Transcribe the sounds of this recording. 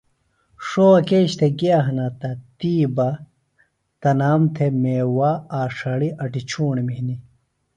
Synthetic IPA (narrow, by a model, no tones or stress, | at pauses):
ʂoɐkeːɕt̪ʰeɡiaːɦɐnat̪ɐt̪iːbɐ | t̪ɐnaːmt̪ʰemeːwaaːʂɐɽiʔɐʈit͡ɕʰuːɳemiɦni